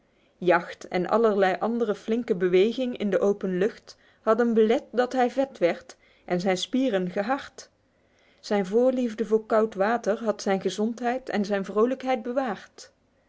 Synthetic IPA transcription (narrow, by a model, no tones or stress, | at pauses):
jɑxtɛ̰nʔɑ̰ləɹlɛjʔɑndərəflɪŋkəbəʋejɣɪŋɪ̰ndəʔowpənlɵχt | hɑdənbəlɛt̚dɑtɦɛjvɛtʋɛɹt | ʔɛnzɛjnspiːrənχəɦɑɹt | z̥ɛjnvʊːɹlivdəvʊːɹkɑwtʋaːtəɹɦɑtsɛjnχəzɔntɦɛjtɛ̰nzɛjnvrowləkɦɛjd̚bəʋaːrt